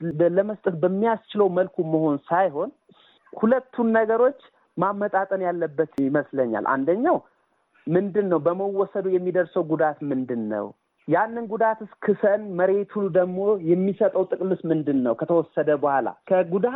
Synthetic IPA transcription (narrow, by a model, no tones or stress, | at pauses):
ləməst̪ʼət̪̚bəmːijast͡ʃʰɪləwməlkʰuməho̞nsajɦo̞n | hulət̪ʰːunːəɡəɾo̞t͡ʃː | mamːət̪ʼat̪ʼənjalːəbːət̪ɪməsləɲːa̰lʔa̰nd̪əɲːaw | mɨnd̪ɨnːəwbəməwːɔsəd̪ujɛmːid̪əɾsəwɡud̪at̪mɨnd̪ɨnːə̰w | janːɨnɡud̪at̪ɨskʰɨsənməɾe̞t̪ʰund̪əɡmo̞jɛmːisət̪ʼəwt̪ʼɨkʼmɨsmɨnd̪ɨnːəwkʰət̪ʰəwɔsːəd̪əbəhala̰kʰəɡud̪a